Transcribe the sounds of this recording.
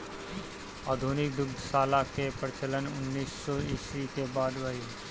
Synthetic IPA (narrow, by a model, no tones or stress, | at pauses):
aːd̪ʱuːnɪk̚d̪ʊɡd̪ʱsaːlakepəɾɪt͡ʃələnʊnːiːsːɔːɪːswikebaːd̪ʋai